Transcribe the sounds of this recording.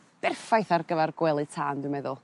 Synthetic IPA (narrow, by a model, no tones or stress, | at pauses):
b̥ɛrfajθarɡəvarɡwɛlˠɨtʰaːndɪwmɛðʊlˠ